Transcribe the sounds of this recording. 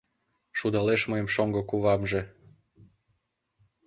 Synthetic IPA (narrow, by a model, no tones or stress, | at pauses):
ʃud̪ɑleʃmɤjəmʃoŋɡokuβɑmʒĕ